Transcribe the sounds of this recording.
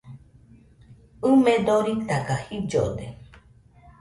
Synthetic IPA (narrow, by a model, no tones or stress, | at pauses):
ɨmẽd̪oɾit̪akahid͡ʒo̰d̪e